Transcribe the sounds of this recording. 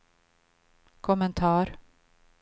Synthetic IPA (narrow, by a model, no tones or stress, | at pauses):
kʰɔmənt̪ʰɑːɾ